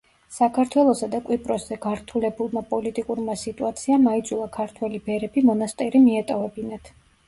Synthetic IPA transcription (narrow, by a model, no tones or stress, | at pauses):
sakʰaɾt̪ʰwɛlˠɔsad̪akʼwipʼɾɔszɛɡaɾt̪ʰulɛbulˠmapʼɔlit̪ʼikʼuɾmasit̪ʼuat̪sʰiamaid̪zʼulˠakʰaɾt̪ʰwɛlibɛɾɛbimɔnast̪ʼɛɾimiɛt̪ʼɔvɛbinat̪ʰ